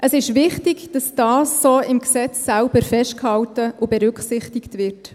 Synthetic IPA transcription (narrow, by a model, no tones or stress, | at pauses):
ʔəsɪʃʋɪχtɪɡd̥ɑsd̥ɑːsːoːɪmksɛt͡sːælb̥əɾfɛʃt̚khɑltəʔʊbɛɾʏkχsɪχtɪktʋɪrt